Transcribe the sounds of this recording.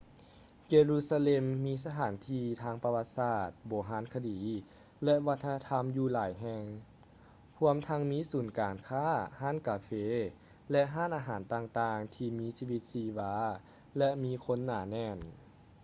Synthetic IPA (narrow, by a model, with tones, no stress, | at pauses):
jeː˧luː˧˥saː˧le˧mːiː˧˥sa˧t̪ʰaː˨˩˦nt̪ʰiː˧t̪ʰaː˧˥˩ŋpa˧wa˧t̪̚saː˧˩t̪̚bɔː˨˩˦ɦaː˨˧˥nkʰa˧diː˨˦ | lɛ˧ʔʋa˧˥t̪ʰːa˧na˧t̪ʰa˧˥mjuː˧laː˨˦jɦɛː˧ŋ | pʰu˧˥˧əmt̪ʰa˧˥ŋmiː˧˥suː˩˦nkaː˨˩nkʰaː˧˥˩haː˥˨nkaː˨˩feː˧˥ | lɛ˧ʔɦaː˥˨nʔaː˧ɦaː˨˩˦nt̪aː˧ŋt̪aː˧ŋt̪ʰiː˧miː˧˥siː˧ʋi˧˦t̪̚siː˧waː˧˦ | lɛ˧ʔmiː˧˥kʰo˧˥nːaː˨˩˦nɛː˧˩n